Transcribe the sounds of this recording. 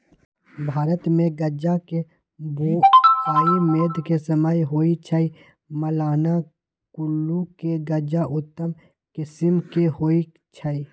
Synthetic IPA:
bʱaːɾət̪mẽɡɐd͡ʒake | boːaːimeːd̪kesɐmaːjɦoːit͡ʃʰai | məlaːna | kʊlːukeɡɐd͡ʒaʔʊt̪ːəm | kɪsɪmkehoːi | t͡ʃʰai

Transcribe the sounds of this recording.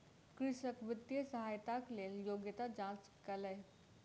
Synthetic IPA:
kɾɪʂəkʋit̪ːjəsəɦajt̪akleljoɡjət̪ad͡ʑãt͡skələj

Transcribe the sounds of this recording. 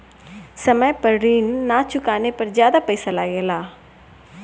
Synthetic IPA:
sɐməjpəɾɾiːnːat͡ʃʊkaːnepɐɾzjaːd̪apɛːsalaːɡeːlaː

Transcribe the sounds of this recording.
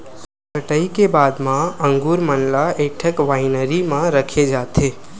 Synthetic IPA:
kəʈəikebaːd̪mãə̃ŋɡuːɾmənlaeːʈʰəkʋaːɪnəɾimãɾəkʰed͡ʒaːt̪eː

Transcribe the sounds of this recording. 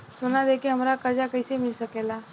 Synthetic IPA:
sonad̪ekʰiɦəmɾakəd͡ʑakəjsemilsəkela

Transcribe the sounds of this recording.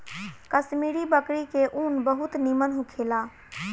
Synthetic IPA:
kəsmiɽibəkɾikeʔunbəɦut̪nimənɦũkʰela

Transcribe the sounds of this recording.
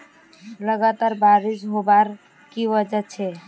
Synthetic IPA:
ləɡat̪aɾbaɾid͡ʒɦobaɾ | kiʋəd͡ʒət͡ʃʰɛ

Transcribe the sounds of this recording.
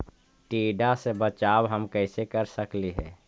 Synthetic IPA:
ʈiːɖasebət͡ʃaːwɦəmkəɪsekəɾsəkliɦɛː

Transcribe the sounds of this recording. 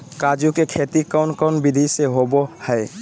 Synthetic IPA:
kad͡ʒukekʰet̪ikəʊnkəʊnbɪd̪ʱiseɦobohɛe

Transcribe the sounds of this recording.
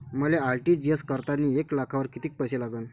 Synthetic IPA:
məlealʈiːd͡ʑiəskəɾt̪anːiːeklakʰaʋəɾkit̪iːk̚pajɕelaɡən

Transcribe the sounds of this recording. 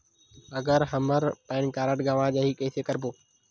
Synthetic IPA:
əɡəɾɦəməɾpãːnkaːɾəʈɡaːʋãːd͡ʒaːɦiːkeːseːkəɾbʱoː

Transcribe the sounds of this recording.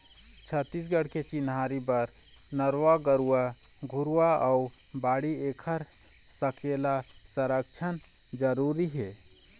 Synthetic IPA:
t͡ʃʰət̪ːisɡəɽ̤ket͡ʃinɦaːɾibəɾ | nəɾwaɡəɾua | ɡʱʊɾuaə | baːɽieːkʰəɾ | səkʰela | səɾəkt͡ʃʰən | d͡ʒəɾuɾiɦɛː

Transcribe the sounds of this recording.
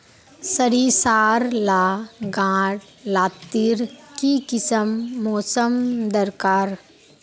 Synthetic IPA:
səɾisaːɾlaːɡãːɽ | laːt̪ːiɾkikɪsəmːɔːsəmd̪əɾkaːɾ

